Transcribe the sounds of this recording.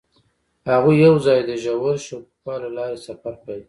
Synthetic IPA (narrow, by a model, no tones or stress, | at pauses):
haɣujawzɑjd̪əʒawaɾʃokpɑlalɑɾesafaɾkawi